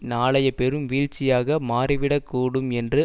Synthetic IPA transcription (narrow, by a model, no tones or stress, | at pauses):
naːɭɐjɐpɛɾɯmʋiːɻt͡ʃːɪjaːɣɐmaːɾɪʋɪɽɐkːuːɽɯmɛndrɯ